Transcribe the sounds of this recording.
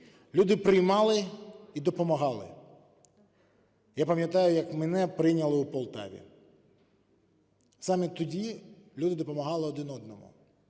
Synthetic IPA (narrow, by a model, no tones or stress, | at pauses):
lʲud̪ɪpɾɪjmɑlˠɪid̪ɔpɔmɐɦɑlˠɪ̰ | japɐmʲjɐt̪ɑjʊjɐkmɛnɛpɾɪjnʲɐlˠɪupɔlˠt̪ɑ̰ʋʲḭ | sɑmit̪ʊdʲilʲud̪ɪd̪ɔpɔmɐɦɑlˠɪɔd̪ɪnɔd̪nɔmʊ̰